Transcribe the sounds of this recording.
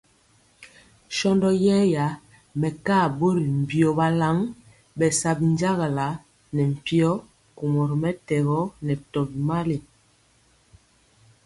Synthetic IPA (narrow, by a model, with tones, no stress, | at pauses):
ʃɔ˦ndɔ˦jɛː˦ja˨˦ | mɛ˨ka˦˨bo˦ɾi˨m̩˨bjɔ˨ba˦la˦ŋ | bɛ˨sa˨bi˨n˦d͡ʒa˦ɣa˨la˨˦ | nɛ˨m̩˨pi˦ɔ˦ | ku˨mɔ˨ɾmɛ˦tɛ˨ɣɔ˦nɛ˨tɔ˨bi˨ma˦le˨